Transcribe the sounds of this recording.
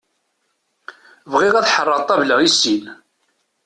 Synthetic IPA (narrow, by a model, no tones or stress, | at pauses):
vʁɪʁæθħərˤːəʁˤt̪ˤːɑvləʁisin